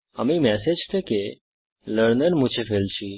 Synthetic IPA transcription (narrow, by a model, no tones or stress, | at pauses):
ə̰mimɛsed͡ʒt̪ʰeke | ləɾnəɾmũt͡ʃʰefelt͡ʃʰi